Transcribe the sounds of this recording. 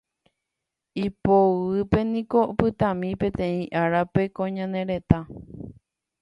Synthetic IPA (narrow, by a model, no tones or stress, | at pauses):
ipoɨpe̞nĩko̞pɨt̪ãmĩpẽ̞t̪ẽ̞ĩʔaɾape̞kõɲãnẽ̞ɾe̞t̪a